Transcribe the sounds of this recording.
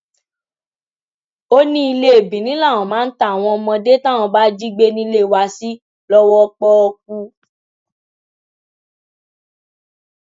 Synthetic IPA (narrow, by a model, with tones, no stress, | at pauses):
o˦nĩ˦i˧le˦e˨bĩ˨nĩ˨˦la˦˨w̃ɔ̃˨mãː˨˦n̩˦ta˦˨a˨w̃ɔ̃˧mɔ̃˧de˦tã˦˨w̃ɔ̃˧ba˦d͡ʒi˦ɡ͡be˦nĩ˦le˦˨wa˧si˦ | lɔ˦wɔ˦k͡pɔ˦ɔ˧k̚u˦